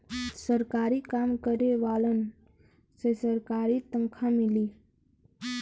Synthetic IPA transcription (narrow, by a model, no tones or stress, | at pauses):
səɾkaːɾikaːmkəɾeʋaːlən | sesəɾkaːɾit̪ə̃ŋkʰãmɪliː